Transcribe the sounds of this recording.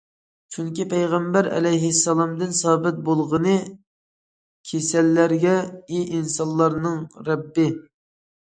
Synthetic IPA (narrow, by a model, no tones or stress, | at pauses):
t͡ʃʰyŋkʲipɛjʁɛmbæɾɛ̰lɛjɦɪsːɑlˠɑmd̪ɨnsɑːbɪt̪̚bolˠʁənɨ | kʲʰesɛlːæɾɡʲɛiʔinsɑnlˠːɑɾnɨŋɾɛbːɪ